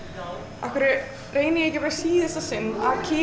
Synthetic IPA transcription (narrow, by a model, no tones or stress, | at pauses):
ʔahkʏɾɪ | reːjnɪjɛcɪpaɾsiːθɛst̪asɪnaðcʰɪː